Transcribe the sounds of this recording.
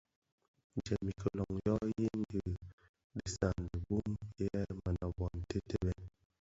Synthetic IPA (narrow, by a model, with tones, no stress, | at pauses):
n˨d͡ʒɛ˨mi˨kə˨lɔ˨ŋjɔ˦ji˦n˦di˨ | ɗi˨sa˨n˨di˨bu˦mjɛ˦ma˨na˨bɔ˨n˨te˦te˦bɛ˦